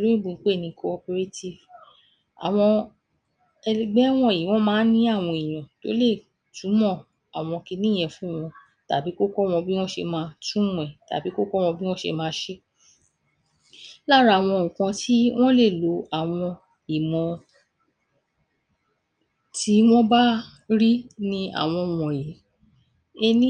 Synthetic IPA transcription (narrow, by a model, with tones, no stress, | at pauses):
lu˦ĩ˦ɡ͡bu˨˧˨k͡pe˦˨nĩ˧˦kʰo˧o˧pe˧ɾe˦ti˦˨v | a̰˨w̃ɔ̃˧ | ɛ˧ɡ͡bɛ˦w̃ɔ̃˧i˨mɔ̃˨˦mãː˨˦nĩ˦a˦˨w̃ɔ̃˧i˨j̃ɔ̃˨to̰˨˦le˦˨ | tũ˨˦mɔ̃˦˨ | a˨w̃ɔ̃˧ki˧nĩ˦˨ɛ̃˨˧fũ˦˨w̃ɔ̃˧ | ta˨bi˨˦ko˦kɔ˦w̃ɔ̃˧bi˦w̃ɔ̃˦ʃḛ˧mãː˧˦tũ˦ũ˨ɛ˨ta̰˨bi˨˦ko˦kɔ˦w̃ɔ̃˧bi˦wɔ̃˦ʃḛ˧mãː˧˦ʃe˦ | la˦˨ɾa˧˨w̃ɔ̃˧˨ũ˨kã˧tʰi˦w̃ɔ̃˦le˦˨lo˨˧a˦˨w̃ɔ̃˧ | i˨mɔ̃˨˧ | ti˦w̃ɔ̃˦ba˦ | ɾi˦nĩ˦a̰˨w̃ɔ̃˧˨wɔ̃˨je˨˦ | e˧ñ˦